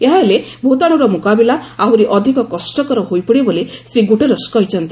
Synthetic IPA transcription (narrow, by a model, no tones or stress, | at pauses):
eɦabele | bʱot̪aɽ̃ɔɾɔmukabilaawɾiʔɔd̪ʱikɔkɔsʈɔkɔɾɔɦojpiɽebolesɾiɡoʈeɾɔskɔɦjt͡ʃʰɔnt̪i